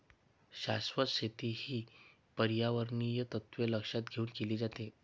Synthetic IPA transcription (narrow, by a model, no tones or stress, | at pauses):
ɕasʋəɕet̪ihiː | pəɾjaʋəɾnijət̪ət̪ʋjələkʂat̪̚ɡʱeunkeliːd͡zat̪e